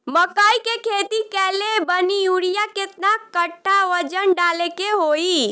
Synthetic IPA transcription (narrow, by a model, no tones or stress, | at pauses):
məkaikekʰet̪ikɛlebənijuɽijaket̪nakəʈʰːaʋəd͡ʒənɖalekeɦoi